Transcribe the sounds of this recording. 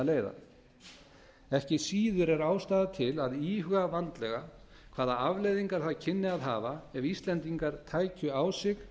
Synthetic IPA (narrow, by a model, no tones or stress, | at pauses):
leːjða̰ | ɛhcɪsiːðʏɾɛɾaːwst̪aːðat̪ʰɪlaðiːhʏɣavant̪lɛɣa | kʰv̥aːðaavlejðiŋkaɾ̥θacʰɪnːɪaðɦaːvaɛvist̪lɛnt̪iŋkaɾt̪ʰaːjcʏaːwsɪx